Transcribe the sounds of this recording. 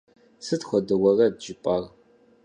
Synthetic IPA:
sɨtxʷɔdɐwɐrɐdʒɪpʼaːr

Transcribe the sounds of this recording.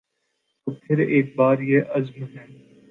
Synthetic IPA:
t̪oːpʰɪɾeːk̚baːɾjeʔɐzmɦɛ̃ː

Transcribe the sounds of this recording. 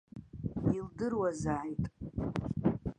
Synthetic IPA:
ildɨrwazaːjtʼ

